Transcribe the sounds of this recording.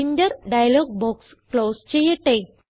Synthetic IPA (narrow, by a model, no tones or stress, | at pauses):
inɖəɾɖajlɔɡ̚bɔks | klost͡ɕejeʈe